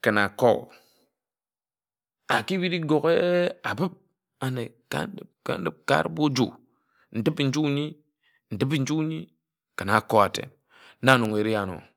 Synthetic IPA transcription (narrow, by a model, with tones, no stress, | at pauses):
kə˨na˨ko̰˦˨ | a˨ki˦bi˦ɾi˦ɡo˨ke˦a˨bɨ˦p̚ | a˨ne˨ka̰˦n˦də˨p̚ka̰˦n˦də˦p̚ka̰˦ɾbo˦d͡ʒṵ˨ | n̩˨ti˦pi˨n̩˦d͡ʒu˦kɲi˦ | n̩˨ti˦p̬i˦n̩˦d͡ʒu˦ɲi˦ | kə˨na˨ko˦a˨tḛ˨n˦ | na˦˨no˨ŋe˨ɾi˦a˦˨no̰˨